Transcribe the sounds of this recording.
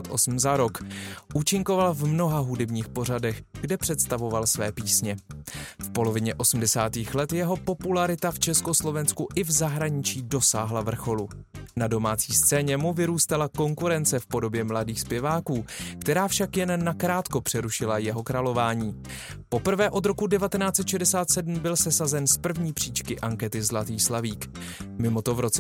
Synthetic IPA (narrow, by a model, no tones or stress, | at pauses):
t̪ʔosm̩zaɾo̞kʔuːt͡ʃɪŋko̞valvmno̞ɦaɦudɛbɲiːxpo̞r̝adɛxɡdɛpr̥ɛt̪st̪avo̞valsvɛːpiːsɲɛfpo̞lo̞vɪɲɛʔo̞sm̩dɛsaːt̪iːxlɛt̪jɛɦo̞po̞pulaɾɪt̪aft͡ʃɛsko̞slo̞vɛnskuʔɪvzaɦɾaɲɪt͡ʃiːdo̞saːɦlavr̩xo̞lunado̞maːt͡siːst͡sɛːɲɛmuvɪɾuːst̪alako̞ŋkuɾɛnt͡sɛfpo̞do̞bjɛmladiːxspjɛvaːkuːkt̪ɛɾaːfʃakjɛnːakɾaːt̪ko̞pr̝̥ɛɾuʃɪlajɛɦo̞kɾalo̞vaːɲiː | po̞pr̩vɛːʔo̞d̪ɾo̞kudɛvat̪ɛnaːt͡sɛt̪ʃɛdɛsaːt̪sɛdm̩bɪlsɛsazɛnspr̩vɲiːpr̥iːt͡ʃkɪʔaŋkɛt̪ɪzlat̪iːxslaviːk | mɪmo̞t̪o̞vɾo̞t͡sɛ